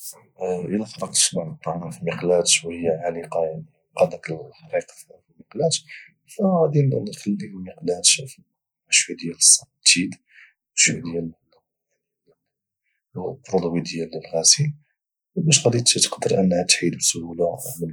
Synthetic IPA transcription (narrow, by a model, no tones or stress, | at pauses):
ʔəlæfɑɾˤɑqt̪ə̥ʃmɑʕnət̪ˤːɑʕæfiməqlæt̪ʃwæhəjːæʕaliqɑjaʕni | qɑd̪æt̪ħɑɾiq | filməqlæt̪ | fæɣæd̪inxəlːilməqlæt̪f | ʃwæd̪əjːæləsˤːɑt̪id̪ | ʃwd̪jæl | wbɾˤod̪ˤwid̪əjːæləlɣæsi | bæʃɣæd̪it̪t̪ə̥qd̪əɾʔənːhæt̪ħid̪bsʊhulamə